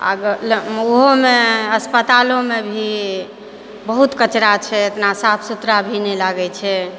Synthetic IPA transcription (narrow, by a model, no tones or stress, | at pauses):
a̰ɡloɦomeəspət̪alõmebʱi | bəɦut̪kət͡ʃɾat͡ʃʰɛet̪nasap̪ʰsut̪ɾabʱinɛlaɡɛt͡ʃʰɛ